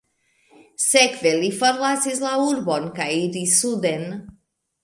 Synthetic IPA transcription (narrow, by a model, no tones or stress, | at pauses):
sekvelifoɾlasislauɾbonkajiɾisud̪en